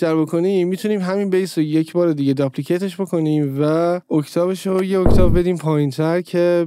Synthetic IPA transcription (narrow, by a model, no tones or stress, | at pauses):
ʃt̪æɾbo̞kʰo̞niːmːit̪ʰuniːmɦæmiːnbejsoje̞cʰbɒːɾed̪iɟe̞d̪ɒplicʰejt̪ʰe̞ʃbo̞kʰo̞niːmvæocʰt̪ʰɒːβeʃojeoct̪ʰɒːbbe̞d̪iːmpʰɒːjint̪ʰæɾcʰe̞